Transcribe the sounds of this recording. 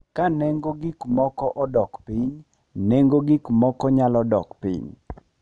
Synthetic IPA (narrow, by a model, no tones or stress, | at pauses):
kanɛŋɡoɡikmɔkɔʔɔdɔkpiɲ | neŋɡoɡikmɔkɔɲalɔdɔ̰kpḭɲ